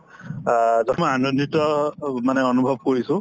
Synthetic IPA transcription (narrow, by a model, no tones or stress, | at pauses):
zɔmɔjanɔnːitɔmanɛɔnubʱɔb̚koɹisʊ̃